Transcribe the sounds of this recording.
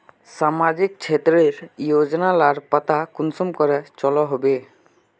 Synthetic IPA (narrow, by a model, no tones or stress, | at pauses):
samad͡ʑik̚t͡ɕʰet̪ɾeɾijod͡ʑɔnalaɾpat̪akunsɔmkɔɾɛt͡ʃɔlɔɦɔbe